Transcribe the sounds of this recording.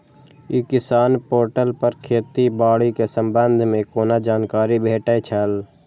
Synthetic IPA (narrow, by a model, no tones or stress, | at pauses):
iːkɪsaːnpoːɾʈəlpəɾkʰeːt̪ibaːɽikesəmbənd̪ʱmẽkoːnad͡ʒaːnkaːɾibʱeːʈɛt͡ʃʰɛl